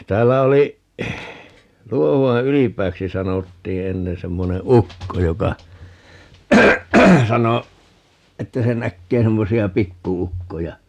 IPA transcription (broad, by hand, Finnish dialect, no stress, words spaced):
tæːlːæ oli luohuɑ ylipˑæːksi sɑnotːiː enːen semːone ukːo jokɑ sɑno etːæ se nækːeː semːosiɑ pikːuukːojɑ